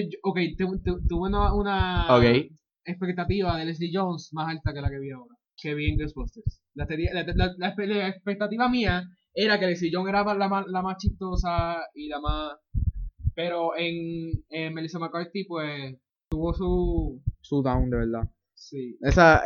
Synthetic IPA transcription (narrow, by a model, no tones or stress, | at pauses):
ookejt̪ut̪ut̪uβeunaunaokej | e̞spe̞k̚t̪at̪iβaðeles̬lid͡ʒonsmasalt̪ake̞lake̞βiaoɾa | ke̞βieŋɡesbost̪eɾs | lat̪enialat̪lalapelaespek̚t̪at̪iβamia | e̞ɾake̞les̬iʝoŋe̞ɾamalamaslamast͡ʃiht̪o̞sailamas | pe̞ɾo̞ʔe̞ŋemːelisomaɾkolek̚t̪ipwes | t̪uβo̞su | suðawnd̪e̞βeɾða | siesa